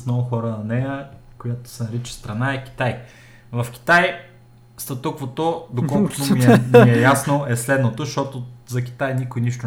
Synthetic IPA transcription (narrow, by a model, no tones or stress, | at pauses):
smnɔɡʊxɔɾənɐnɛjəkojat̪o̥sɛnɐɾit͡ʃɛ̥st̪ɾɐnaɛkʲi̥t̪aj | vɐfk̟ʲi̥t̪aj | st̪ɐt̪ukvot̪od̪okɔlˠkʊ̥omiɛiɛjasnoɛslɛd̪not̪oʃt̪ɔt̪ozɐk̟ʲi̥t̪ajnikojniʃt̪ʊ